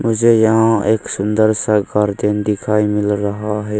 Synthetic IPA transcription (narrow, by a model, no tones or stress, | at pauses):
mʊd͡ʒʱejɐɦãeːksʊ̃nd̪əɾsəɡaːɾd̪end̪ɪkʰaːimɪlɾɐɦaɦɛː